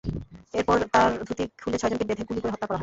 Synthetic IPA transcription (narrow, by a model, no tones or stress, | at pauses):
eɾpɔɾt̪aɾd̪ʱut̪ikʰulet͡ɕʰɔjd͡ʑonkebed̪ʱekulikoɾeɦɔt̪ːakɔɾaɦɔ